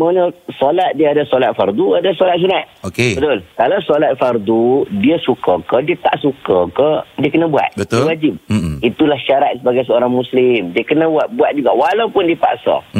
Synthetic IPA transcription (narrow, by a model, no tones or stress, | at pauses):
manəsɔlat̪̚diaadasolat̪̚fard̪uadasolat̪̚s̬unat̪̚okebət̪ʊlkalawsolat̪̚fard̪udiəsukəkədiət̪aʔsukəkədiəkənəbua̰t̪̚bət̪wad͡ʒɪp̚it̪ulahʃaɾat̪̚səbaɡajs̬əoɾaŋmũslɪmdiəkənə̃buat̪̚buat̪̚d͡ʒuɡawalawpʊndiəpa̰ʔsɔ̰